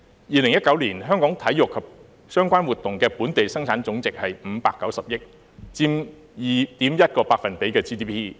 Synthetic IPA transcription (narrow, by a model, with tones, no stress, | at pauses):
jiː˨lɪ˨˩ŋjɐ˥t̚kːɐ˨˥wliː˨˩nɦœː˥ŋkɔː˨˥ŋt̪ʰɐ˨˥jʊ˨kʰːɐ˨p̚ | sœː˥ŋkʷaː˥nwuː˨˩t̪ːʊ˨ŋkɛː˧puː˨˥nt̪e˨jsɐ˥ŋt͡sʰaː˨˥nt͡sʊ˨˥ŋt͡sɪ˨k̚hɐ˨jm̩˨˧paː˧kːɐ˨˥wsɐ˨p̚jɪ˥k̚ | t͡siː˥m | jiː˨t̪iː˨˥mjɐ˥t̚kɔː˧paː˧k̚fɐ˨npe˨˥jkɛː˧t͡siː˥t̪iː˥pʰiː˥